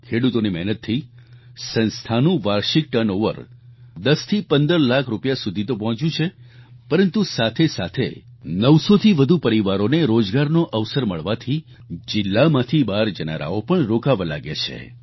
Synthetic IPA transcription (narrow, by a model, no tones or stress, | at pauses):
kʰeɽut̪onimɛɦnət̪ʰːi | sə̃nst̪ʰanũʋaɾʃik̚ʈənoʋə̰ɾ | d̪əst̪ʰipənd̪əɾlakʰɾupjasud̪ʱit̪op̬ɔɦɔ̃t͡ʃjũt͡ʃʰepəɾənt̪usat̪ʰesat̪ʰḛ | nəʋsot̪ʰiʋəd̪ʱupəɾiʋaɾoneɾod͡ʒɡaɾnoʔəʋsəɾməɭʋat̪ʰi | d͡ʒɪlːamãt̪ʰibaɾd͡ʒəna̰ɾʔa̰opəɳɾokaʋala̰ɡḛt͡ʃʰḛ